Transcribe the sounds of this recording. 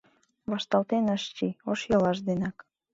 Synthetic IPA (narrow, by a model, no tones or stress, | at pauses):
βɑʃt̪ɑlt̪enəʃt͡ɕioʃjolɑʃd̪enɑk